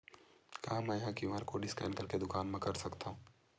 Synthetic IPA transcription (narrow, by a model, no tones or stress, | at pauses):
kɐɦãmɛ̃jɦãkimaːɾkoɖɪskɛ̰ːnkɐɾked̪ʊkaːnmẽkɐɾsɐkt̪aɦũː